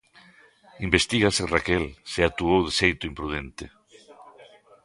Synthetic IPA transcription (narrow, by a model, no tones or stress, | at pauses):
imbest̪iɣaserakɛlseat̪uowðesejt̪ʊimpɾuð̞ent̪ɪ